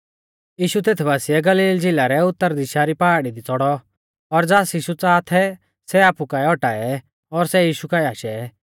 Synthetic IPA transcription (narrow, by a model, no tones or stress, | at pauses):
jiːʃut̪eːt̪ʰbʱaːsɪjɛɡɐliːld͡zɪlaɾɛʊt̪ːəɾd̪iʃaɾipaːɽid̪it͡sɔɽɔ | ɔɾd͡zaːsjiːʃut͡saːt̪ʰɛ | sɛaːpukaːɛɔʈaːɛ | ɔɾsɛjiːʃukaːɛaːʃɛ